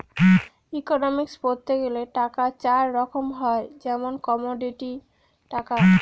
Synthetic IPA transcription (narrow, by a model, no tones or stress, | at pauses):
ikonɔmikspoɾt̪ʰːeɡeleʈakat͡ɕaɾːɔkʰomɦɔed͡ʑɛmonkɔmoɖiʈi | ʈaka